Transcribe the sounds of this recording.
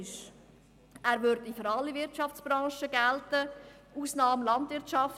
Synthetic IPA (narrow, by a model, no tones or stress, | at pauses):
ʃ | æːɾʋøɾdiføɾɑlːivɪɾtt͡ʃɑft͡sb̥ɾɑ̃ːʃəɡæltə | uːsnɑːmlɑntvɪɾtt͡ʃɑf